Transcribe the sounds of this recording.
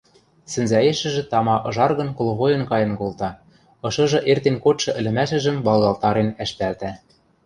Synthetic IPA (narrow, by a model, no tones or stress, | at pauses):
sɘ̆nzæeʃɘ̆ʒɘ̆t̪ɑmɑʔɤ̆ʒɑrɣɤ̆nkol̆ɣojɤ̆nkɑjɤ̆nkolˠt̪ɑ | ɤ̆ʃɤ̆ʒɤ̆ʔert̪enkot̪ʃɤ̆ʔɘ̆lɘ̆mæʃɘ̆ʒɘ̆mbɑlˠɣɑlˠt̪ɑɾenæʃpælt̪æ